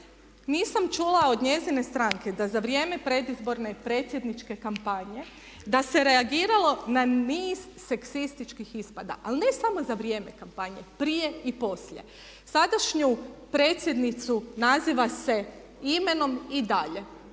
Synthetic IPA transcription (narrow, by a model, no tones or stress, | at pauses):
niːsamt͡ʃulao̞d̪ɲe̞zine̞st̪ɾaŋke̞d̪azaʋɾje̞ːme̞pɾe̞d̪izbo̞ɾne̞pɾe̞ːt̪sje̞d̪nit͡ʃke̞kampaɲe̞ | d̪ase̞ɾe̞aɡiːɾalˠo̞naniːz̥ːe̞ksist̪it͡ʃkixispad̪a̰ʔalne̞samo̞zaʋɾje̞me̞kampaɲe̞pɾije̞ipo̞sʎje̞̰ | sad̪aʃɲupɾe̞ːt̪sʲje̞d̪nit̪sunaziːʋase̞ | ime̞no̞mid̪aʎe̞